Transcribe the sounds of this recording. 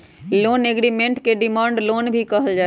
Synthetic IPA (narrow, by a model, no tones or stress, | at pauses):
loːneɡɾimẽɳʈkeɖimãːɳɖloːnbʱikəɦəld͡ʒaː